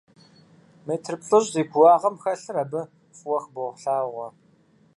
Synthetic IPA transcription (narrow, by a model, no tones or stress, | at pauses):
meːtʰrɨpɬʼoɕʼziːɡʷwɑːʁɐmxɐɬɨɾɐbɨ | fʼwɐxboːʁʷɬaːʁʷɔ